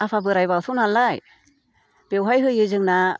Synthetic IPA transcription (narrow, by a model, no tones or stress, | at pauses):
apʰabɯɾajbawtʰɔnanlaj | b̥ewɦajɦɯjɯzɯŋna